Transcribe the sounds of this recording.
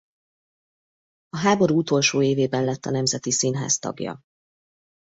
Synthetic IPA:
ɒɦaːbo̞ɾuːut̪o̞lʃoːeːveːbɛnlɛt̪ːɒnɛmzɛt̪isinɦa̰ːst̪ɒ̰ɡjɒ̰

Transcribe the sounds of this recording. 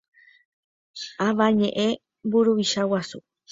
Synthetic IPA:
aʋaɲẽʔẽ | buɾuʋiʃawasu

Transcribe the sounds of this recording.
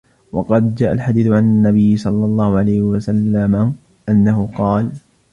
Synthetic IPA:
wɑqɑd̪d͡ʒaːʔalħad̪iːθʊʕanɪnːabɪjːɪsˤɑlːɑlˤːɑːhʊʕalajhɪwasalːama | ʔanːaɦʊqɑːl

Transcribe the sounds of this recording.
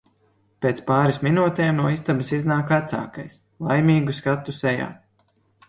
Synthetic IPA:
pʲet̪spaːɾisminuːt̪ejmnuɔist̪abisiznaːkat̪sa̰ːkajs | lˠajmiːɡuskat̪ːusɛja̰ː

